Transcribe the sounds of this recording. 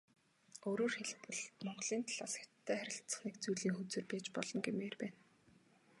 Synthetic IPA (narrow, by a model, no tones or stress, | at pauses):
oɾoːrxeɮpɘ̆ɮt̪mɔɴɢɞ̆ɮiːnt̪ʰaɮ̥aːsxæ̥t̪ʰːæːχæɾʲɪ̆ɬtt͡sə̆χneːkt͡sujɮiːŋxut͡sɘ̆rpæːt͡ɕpɔɮɞ̆ŋɡemeːrpæːn